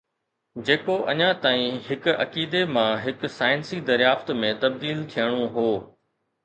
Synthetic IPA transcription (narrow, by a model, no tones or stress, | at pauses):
d͡ʑeːkoʔɐɲãt̪aːĩɦɪkʊɐkiːd̪emãɦɪksaːɪnsid̪ɐɾjaːft̪mẽt̪ɐb̚d̪iːlt̪ʰijəɽ̃oɦoː